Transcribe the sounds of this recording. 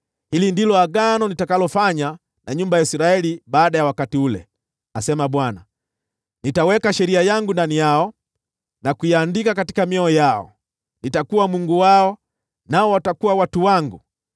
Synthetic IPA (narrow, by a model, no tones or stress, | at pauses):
hilindilɔaɡanɔnitakalɔfaɲa | naɲumbajaisiɾaɛlibaːɗajawakatiulɛ̰ | asɛmaɓwana | nitawɛkaʃɛɾiajaŋɡundanijaɔ | nakujaaːndikakati̥kamiɔɔjaɔ̰ | nitakuwamuŋɡuwaɔ | naɔwatakuwawatuwaŋɡu